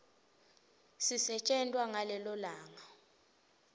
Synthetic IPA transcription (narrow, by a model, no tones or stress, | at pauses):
sisɛt͡ʃʼɛntʼwaŋalɛlɔlaːŋa